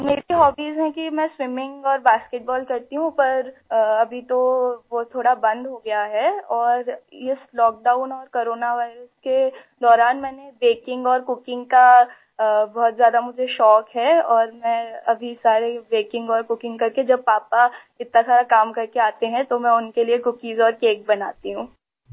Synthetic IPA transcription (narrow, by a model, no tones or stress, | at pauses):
meːɾiɦɔːbiːzɦɛ̃kimɛ̃ːswɪmɪ̃ŋɡɔːɾbaːskeʈ̚bɔːlkɐɾt̪iɦũpɐɾɐbʱit̪oʋot̪ʰoːɽabɐ̃nd̪ɦoɡɐjaɦɛːɔːɾɪslɔːk̚ɖaːʊnɔːɾkoːɾoːnaʋaːɪɾəske | d̪ɔːɾaːnmɛ̃ːnebeːkɪ̃ŋɡɔːɾkʊkɪ̃ŋɡka | bɔɦɔt̪zjaːd̪amʊd͡ʒʱeʃɔːkɦɛɔːɾmɛ̃ɐbʱisaːɾebeːkɪ̃ŋɡɔːɾkʊkɪ̃ŋɡkɐɾked͡ʒɐb̚paːpa | ɪt̪nasaːɾakaːmkɐɾkeaːt̪eɦɛ̃t̪omɛ̃ʊnkeliekʊkiːzɔːɾkeːk̚bɐnaːt̪iɦũː